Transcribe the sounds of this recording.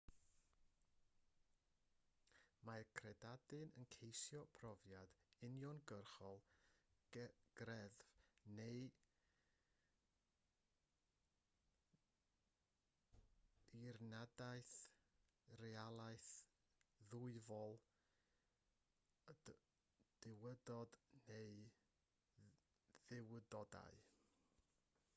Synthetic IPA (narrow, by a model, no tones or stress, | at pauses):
markʰrɛdadɨnənkʰejsjɔpʰrɔvjad̥ɪnjɔnɡərχɔlˠ | ɡ̥rɛðvnej | irnadaɨθ | rɛalˠaɨθ | ðʊɨvɔlˠ | d̥ɪwədɔdneɨ | ðɪwədɔda̰ɨ